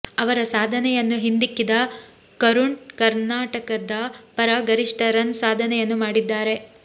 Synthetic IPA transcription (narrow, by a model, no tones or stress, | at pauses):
ɐʋɐɾɐsaːd̪ʱɐnɛjɐnːuɦind̪ikːid̪ɐ | kɐɾuɳkɐɾnaːʈɐkɐd̪ɐpɐɾɐɡɐɾiʂʈɐɾɐnsaːd̪ʱɐnɛjɐnːumaːɽid̪ːaːɾe̞